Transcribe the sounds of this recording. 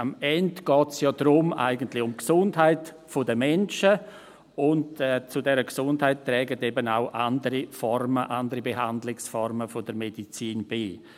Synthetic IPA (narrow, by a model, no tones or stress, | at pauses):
amɛndɡ̥ɔːtsjɔːd̥ɾʊma̰ɪɡəntlɪçʊmksʊndɦaɪt | fodəmɛnt͡ʃə | ʊntɛt͡sʊdɛɾəksʊndhaɪttːɾɛːɡətebənaʊʔandəɾifɔɾməʔandəɾibeɦandlɪksfɔɾməfod̥əɾmedit͡siːnbiː